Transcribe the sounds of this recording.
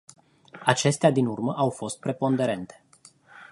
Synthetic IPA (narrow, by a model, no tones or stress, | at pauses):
at͡ʃe̞st̪ead̪inurməʔawfo̞st̪̚pɾe̞po̞nd̪e̞ɾe̞nt̪e̥